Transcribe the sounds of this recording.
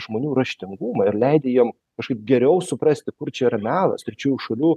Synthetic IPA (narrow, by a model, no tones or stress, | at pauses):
ʒmoːnʲuːɾɐʃʲt̪ʲɪŋɡumɐɪɾlʲɛɪd̪ʲɛjiɔm | kɐʃkɐɪp̚ɡʲɛɾʲɛʊsʊpɾɐsʲt̪ʲɪkʊrt͡ʃʲɛiɾɐmʲæːlˠɐ̰stʲɾʲɪt͡ʃʲuːjuʃɐlʲuː